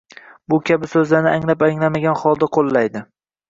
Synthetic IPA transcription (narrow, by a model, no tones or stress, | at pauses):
bʊkʲʰabɪsɵzlaɾnɪaŋlapaŋlamaɡʲanχɒlˠd̪aqʰolˠːajd̪ɪ